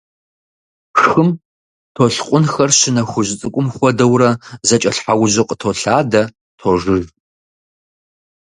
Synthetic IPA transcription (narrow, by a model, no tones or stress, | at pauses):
xxɨm | tʰoɬqʷʼʊnxɐrɕɪnɐxʷʊʑt͡sʼɨkʷʼʊmxʷɔdɐwrɐzɐt͡ʃʼɐɬħawʑɪqʼətʰoɬaːdɐ | tʰoʐɨr